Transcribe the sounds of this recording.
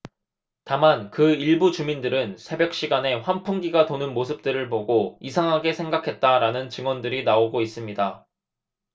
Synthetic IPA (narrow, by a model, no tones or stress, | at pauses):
tamankɯiɭbut͡ɕumindɯɾɯnsʰe̞bjʌk̚ɕ͈iɡane̞ɸwanpʰuŋɡiɡatonɯnmosʰɯp̚t͈ɯɾɯɭpoɡoisʰaŋɦaɡe̞sʰe̞ŋɡakʰe̞t̚t͈aɾanɯnt͡ɕɯŋwʌndɯɾinaoɡois͈ɯmɲida